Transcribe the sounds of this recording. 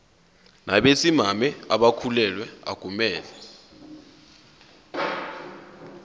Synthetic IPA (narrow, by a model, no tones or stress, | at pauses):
nʔaɓesimamɛaɓakʰulɛlwɛa̰ɡ̥ʱumɛːlɛ